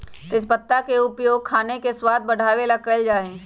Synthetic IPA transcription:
t̪ɪs̬bət̪ːakeʊpjoːɡ̚kʰaːnekeswaːd̪̚bɐɽ̤ʱaːʋelakəld͡ʒaːẽː

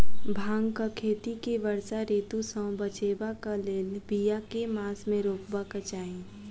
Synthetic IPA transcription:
bʱaːŋɡkakʰeːt̪ikeʋəɾsaɾiːt̪usə̃bət͡ʃeːbakaleːlbijakemaːsmẽɾoːpbakət͡ʃaːĩ

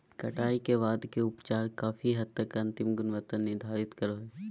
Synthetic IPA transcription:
kɐʈaːikeʋaːd̪keʊpt͡ʃaːɾkaːfʰiɦɐd̪̚t̪əkɐ̃nt̪ɪmɡʊnʋət̪ənːɪɾd̪ʱaːɾɪt̪kɐɾoɦɛː

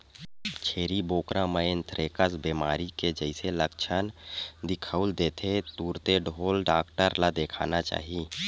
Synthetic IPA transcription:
t͡ʃʰeːɾiboːkɾãməɪnt̪ʰɾeːkəsbiːmaːɾiked͡ʒəɪseləkt͡ʃʰənd̪ɪkʰəuld̪eːt̪ʰet̪uːɾt̪eɖʱoːlɖaːkʈəɾlad̪eːkʰa̰ːnat͡ʃa̰ːɦi

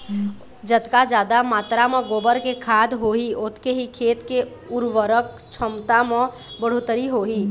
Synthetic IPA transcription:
d͡ʒət̪kad͡ʒaːd̪amaːt̪ɾamẽɡoːbəɾkekʰaːd̪ɦoɦiot̪keɦikʰeːt̪ke | ʊɾʋəɾək | t͡ʃʰəmt̪ame | bəɽ̤ot̪əɾiɦoɦi

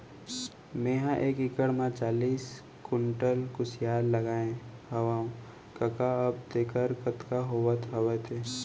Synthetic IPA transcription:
mẽːɦãʔeːkɪkəɽmãt͡ʃaːliːs | kʊɳʈəlkʊsjaːɾːɐɡaːẽhɐʋaːũ | kɐkaɐbd̪eːkəɾkət̪kaɦoːwət̪ʰɐʋət̪ʰeː

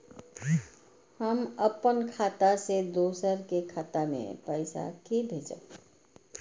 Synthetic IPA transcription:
həməpənkʰat̪ased̪oːsəɾkekʰaːt̪amḛ̃pəɪsa̰kebʱed͡ʒə̰

